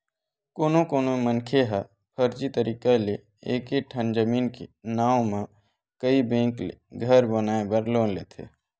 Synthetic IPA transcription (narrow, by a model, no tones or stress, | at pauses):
koːnokoːnomənkʰeɦa | pʰəɾd͡ʒit̪əɾʔiːkale | eːkeʈʰənd͡ʒəmiːnkḛnaːw̃mẽ | kəibẽːŋkleɡʱəɾbənaːebəɾloːnleːt̪ʰḛː